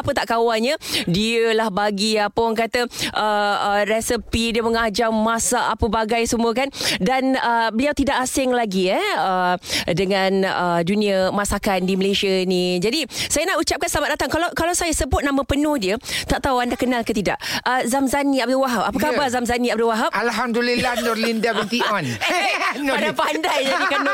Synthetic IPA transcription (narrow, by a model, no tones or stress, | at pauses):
apət̪aʔkawanɲadiəlahbaɡiapəaŋkat̪əʔəərɛsəpidiəməŋad͡ʒamasaʔapəbaɡajsəmuəkandanəbəliawt̪idaʔasɪŋlaɡiɛədəŋãnədunĩəmasakandiməleʃiənĩd͡ʒadisajanahut͡ʃap̚kansəlamat̪̚dat̪aŋkalawkalawsajasəbʊt̪̚namãpənʊhdiət̪aʔt̪awandakənãlkət̪ida̰ʔəzamzanĩab̚duwaɦap̚apakabazamzanĩab̚duwaɦap̚ʔalɦamd̪ulilahnɔɾlindabənt̪iɔn | adapandajanikan